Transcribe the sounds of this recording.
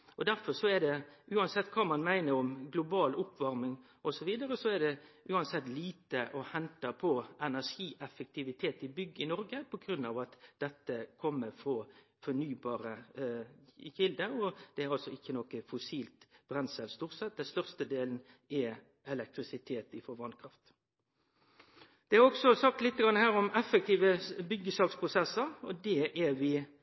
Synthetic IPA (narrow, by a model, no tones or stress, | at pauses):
ɔd̪æɾfɔʂɔɛd̪ɛʉːɑnsɛt̪ːkʰɑːmɑnmæɪnəɾɔmɡlʊbɑːlʊpːʋɑɾmɪŋ | ɔsɔʋiːd̪əɾəsɔæɖ̪ɛʔʉːɑnsɛt̪ːliːt̪əʔɔhɛnt̪ɑpʰɔʔɛnæʂiːʔɛfək̚t̪ʰɪʋɪt̪ʰeːt̪ɪbʏɡːəɪnɔɾɡəpʰɔɡɾʉnːɑʋɑt̪d̥̪ɛt̪ːəkʰɔmːəfʁɔ | fɔnyːbɑːɾə | çɪld̪əɔd̪̥ɛæɾɑlsɔɪçːənɔkːəfʊsiːlt̪b̥ɾɛnsəlst̪uːʁtsɛt̪̚d̪ɛnst̪œʁst̪əd̪eːln̩ | ɛ | ɛlɛk̚t̪ɾɪsɪt̪ʰeːt̪ɪfɔʋɑnkʰɾɑft̪ | d̪̥ɛæʁɔksɔsɑkt̪lɪt̪ːəɡɑŋːəhæːɾɔmɛfːək̚t̪iːʋəbʏɡːəsɑːkspʰʁʊsɛsːəɾɔd̪ɛʔæʋɪ